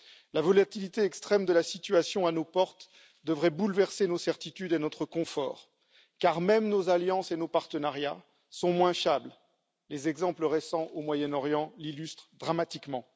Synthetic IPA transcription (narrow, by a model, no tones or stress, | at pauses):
lavɔlat̪ilit̪eɛkst̪χɛmd̪əlasit̪ɥasjɔ̃anopɔʁt̪ | d̪əvʁɛbulvɛʁsenosɛʁt̪it̪yd̪enɔt̪χəkɔ̃fɔ̰ːʁ | kaʁmɛmnozaljɑ̃senopaʁt̪ənaʁja | sɔ̃mwɛ̃fabl | lezɛɡzɑ̃pləʁesɑ̃ʔomwajɛnɔʁjɑ̃lilyst̪χd̪ʁamat̪ikmɑ̃